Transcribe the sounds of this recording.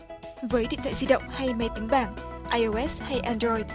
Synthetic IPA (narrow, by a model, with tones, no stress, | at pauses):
vəː˨˦jɗḭ˧˨t̪ʰwa̰ː˧˨zi˧ɗə̰˧˨wŋ͡mha˧jme˨˦jt̪i˨˦ŋ̟ɓaː˧˩nʔaː˧jʔo˧ʔɛ˦˥sha˧jʔa˧ndɾɔ˧jɗ̚